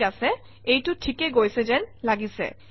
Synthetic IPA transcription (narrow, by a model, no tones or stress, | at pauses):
asʰe | ejʈuʈʰikeɡojsʰed͡ʑenlaɡisḛ